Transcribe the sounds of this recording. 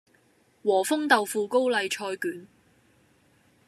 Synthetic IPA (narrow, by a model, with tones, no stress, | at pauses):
wɔː˨˩fʊ˥ŋt̪ɐ˨wfuː˨˧ko˥wlɐ˨˧jt͡ʃʰɔː˧jkyː˨˥n